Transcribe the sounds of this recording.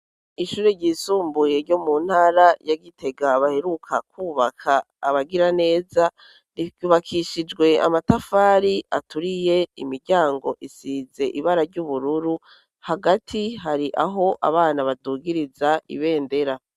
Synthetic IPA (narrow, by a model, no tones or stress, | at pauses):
iʃuːɾeɾɟiːsuːmbuje̞ɾɟo̞mun̥haːɾajaɡitʰe̞ɡaβahe̞ɾukʰakuːβakʰaː | βaɡiɾane̞ːza | ɾiɡuβakʰiʃid͡ʒɡwe̞a̰matafaːɾia̰tuɾije̞imiɾɟaːŋɡo̞̰ʔisiːze̞ʔiβaɾaɾɟuβuɾuɾu | haɡatʰiɦaɾiʔaɦo̞ʔa̰βaːnaβaduːɡiɾizaḭβe̞ːnde̞ɾa